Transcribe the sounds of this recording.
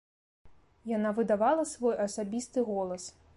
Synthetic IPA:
janavɨd̪avalˠɐsvɔjɐsabʲist̪ɨɣɔlˠɐs

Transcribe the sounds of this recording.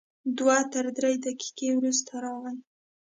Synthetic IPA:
d̪wat̪əɾd̪ɾejd̪aki̥kewɾust̪ʰaɾɑɣaj

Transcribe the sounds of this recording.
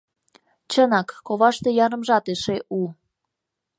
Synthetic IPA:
t͡ɕənɑkːoβɑʃt̪ejɑɾə̆mʒɑt̪eʃeʔu

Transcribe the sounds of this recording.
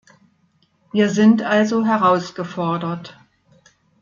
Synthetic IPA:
viːɐzɪntʔalzoɦɛʁaʊsɡ̥əfɔɐdɐt

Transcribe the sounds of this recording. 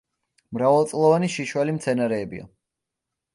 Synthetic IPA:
mɾavɛlˠt̪sʼlˠɔvaniʃiʃwalimt̪sʰɛnaɾɛːbḭa̰

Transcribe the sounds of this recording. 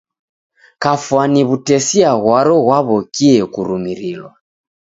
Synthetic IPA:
kafwaniβutɛsiaɣwaɾɔɣwaβɔkiɛkuɾumiɾilwa

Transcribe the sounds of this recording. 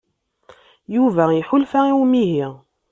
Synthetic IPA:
juvæiħʊlfæiwmiɦiʁ

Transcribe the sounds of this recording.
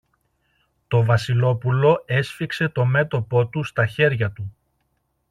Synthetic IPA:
t̪o̞vɐsilo̞pulo̞e̞sfikse̞t̪o̞me̞t̪o̞po̞t̪ust̪ɐçe̞ɾʝɐt̪u

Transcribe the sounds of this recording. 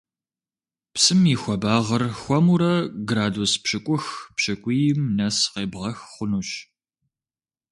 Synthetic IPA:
psɨmiːxʷɔbaːʁɐrxʷɔmuɾɐɡraːduspɕɨkʷʼʊxpɕɐkʷʼijɪmnɐsqeːbʁɐxχʷʊnuɕ

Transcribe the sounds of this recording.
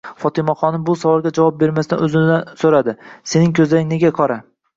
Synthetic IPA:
fɒt̪ʰɪmaχɒnɪmbʊsavɒɾɡʲad͡ʒavɒp̚be̞ɾmasɪd̪a̰nɵzɪmd̪ansoɾad̪ɪse̞nɪŋkʲʰɵzlaɾɪŋne̞ɡʲakʰɒɾa

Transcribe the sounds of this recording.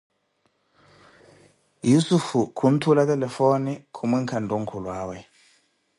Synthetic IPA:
jusufukʰun̩tʰulatɛlɛfonikʰumiŋkʰanduŋ̩kʰulwaːwɛ

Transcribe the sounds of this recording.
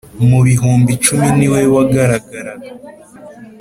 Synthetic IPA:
muβiɦuːmbit͡ʃuminiwewaɡaɾaɡaɾa

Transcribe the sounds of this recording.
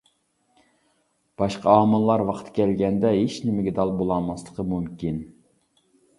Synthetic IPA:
b̥ɑʃqɑɑːmɨlˠːɑɾwɑqʰt̪ʰkʲʰɛlɡʲɛnd̪ɛɦeʃnɪmɪɡʲɛd̪ɑlˠbolˠɑmɑslˠəqʰəmumkʲin

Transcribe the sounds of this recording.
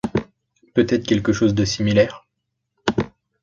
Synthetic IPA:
pøt̪ɛt̪χkʲɛlkəʃozd̪əsimilɛːʁ

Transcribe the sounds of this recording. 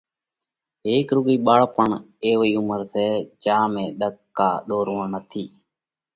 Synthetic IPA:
ɦeːkɾʊɡiːɓaːɭpəɳ | eːʋiːʊməɾseːt͡ʃaːmẽːɗ̪əkːa̰ːɗ̪oːɾʊːənət̪ʰiː

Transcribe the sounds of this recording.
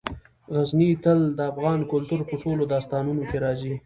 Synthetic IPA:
ɣaznit̪əld̪əafɣɑnkʊlt̪uɾpəsolod̪ɑst̪ɑːnunokeɾɑzi

